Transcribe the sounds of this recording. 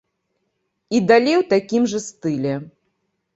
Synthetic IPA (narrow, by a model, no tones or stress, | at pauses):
id̪alʲejwt̪akʲimʐɐst̪ɨlʲɛ